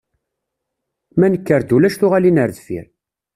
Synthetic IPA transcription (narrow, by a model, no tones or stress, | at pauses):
mænəkːəɾd̪ulæʃθʊʁalinəɾðfḭɾ